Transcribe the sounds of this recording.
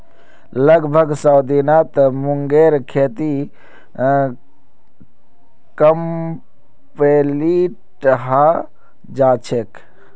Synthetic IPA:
ləɡbʱəɡsawd̪inat̪muŋɡeɾkʰet̪i | kəm | peli | ʈɦa | d͡ʒat͡ʃʰek

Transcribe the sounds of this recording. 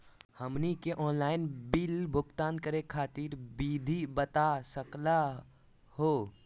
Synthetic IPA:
həmnikeʔɔːnlaːɪnbilbʱʊkt̪aːnkəɾekʰaːt̪iːɾbid̪ʱibət̪asəkla | hoː

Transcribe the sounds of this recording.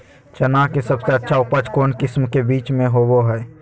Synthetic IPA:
t͡ʃənakesəbseətːʃʰaʊpət͡ʃkoːnkɪsmkebiːt͡ʃmẽɦoboɦɛː

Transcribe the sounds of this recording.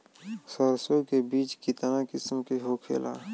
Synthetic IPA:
səɾsjõkebiːt͡ʃkit̪ənakɪsmkeɦoːkʰḛːla̰ː

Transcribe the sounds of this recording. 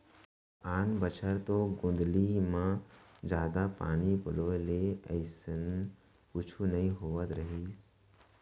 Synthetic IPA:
aːnbət͡ʃʰəɾt̪oːɡʊ̃nd̪limãd͡ʒaːd̪apa̰ːnipəloːeleəɪsən | kʊt͡ʃʰunɐĩɦoːʋət̪ɾəɦiːs

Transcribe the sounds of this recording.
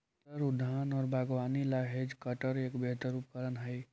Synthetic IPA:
t̪əɾʊd̪ʱːaːnɔːɾbʱaɡʋaːnilaɦed͡ʒkəʈəɾeːkbeɦt̪əɾup̚kəɾənɦəj

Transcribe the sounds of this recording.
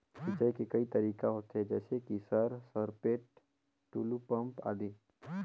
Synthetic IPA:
sit͡ʃəjkekɐit̪ɐɾiːkaɦoːt̪ɦɛd͡ʒɛːsekisəɾsəɾpeːʈ̚ | ʈuːlupə̃mpa̰ːd̪iː

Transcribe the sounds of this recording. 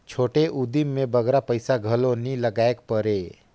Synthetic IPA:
t͡ʃʰoːʈeʔʊd̪imːẽbəɡɾapəɪsaɡʱɐlonĩlɐɡaːek̚pəɾeː

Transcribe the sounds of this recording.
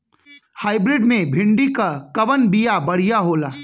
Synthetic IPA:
haːɪbɾɪɖmẽbʱɪ̃ɳɖikakɐʋənbijabɐɽ̤ijaɦoːlaː

